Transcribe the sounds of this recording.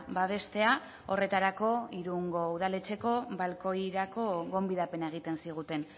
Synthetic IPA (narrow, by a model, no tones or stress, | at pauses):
baβe̞st̪e̞a | o̞re̞t̪aɾako̞iɾuŋɡo̞uð̞ale̞t͡se̞ko̞βalko̞jɾako̞ɣo̞mbiðape̞nae̞ɣ̞it̪e̞nsiɣ̞ut̪e̞n